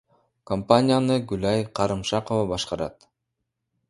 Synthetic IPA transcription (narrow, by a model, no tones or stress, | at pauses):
kompanʲijanɯɡʉlɑjqʰɑɾɯmʃɑqovɑbɑʃqɑɾɑ̰t̪